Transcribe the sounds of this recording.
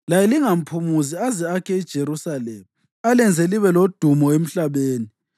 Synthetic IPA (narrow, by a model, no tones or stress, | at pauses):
lajɛliŋam̩pʰumuziazɛakʰɛid̥ʒ̥ʱeɾusalɛːmu | alɛnd͡zʱɛliβɛlod̥ʱumɔem̩ɬaβeːni